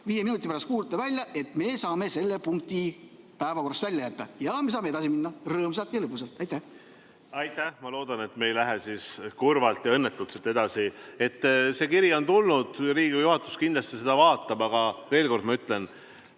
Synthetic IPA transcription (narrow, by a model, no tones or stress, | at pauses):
viːjeminut̪ːˑipæɾɑst̪kuːlt̪ːˑevælʲjɑʔe̞t̪me̞sɑːme̞se̞lːe̞puŋk̚t̪i | pæevɑko̞rːɑst̪vælʲjɑjæt̪ːɑjɑme̞s̬ɑːmeeɑsiminːɑrɤːms̬ɑlt̪jɑlɯpːus̬elt̪ːˑɑjt̪ːæh | ɑjt̪ːˑæhmɑlo̞ːd̪ɑne̞t̪me̞jlæɦesiskurvɑlt̪jɑɤnːet̪ːut̪set̪e̞d̪̥ɑsie̞t̪ˑːse̞kiɾio̞nt̪ulnud̪̥ɾiːɡijuhɑt̪ːˑu̥skind̪lɑst̪ise̞d̪̥ɑvɑːt̪ːˑɑb̥ɑɡ̥ɑve̞ːlko̞rd̪mɑyt̪ˑle̞n